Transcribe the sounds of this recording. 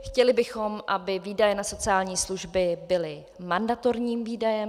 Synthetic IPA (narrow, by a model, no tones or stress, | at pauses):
xcɛlɪbɪxo̞mʔabɪviːdajɛnaso̞t͡sɪaːlɲiːsluʒbɪbɪlɪ | mandat̪o̞ɾɲiːmviːdajɛm